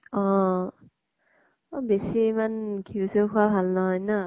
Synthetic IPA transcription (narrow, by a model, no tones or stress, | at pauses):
ɔ | besimankʰisɯkʰuwabʰʱalnɔɦɔjna